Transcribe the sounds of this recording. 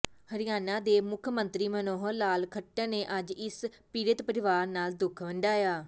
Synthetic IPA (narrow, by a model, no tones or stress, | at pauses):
həɾɪjaːnãːd̪eːmʊkʰmənt̪ɾiːmənoːɦəlaːlkʰəʈːəːneːʔəd͡ʒɪs | piːɾət̪pəɾɪʋaːɾnaːld̪ʊkʰʋəɳɖaːjaː